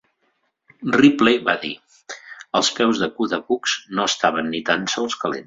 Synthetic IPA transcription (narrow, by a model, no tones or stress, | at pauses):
riplejβaðḭ | əlˠspɛwzðəkuðəkukz̥noəst̪aβ̞ənːit̪ansɔlˠskəlḛns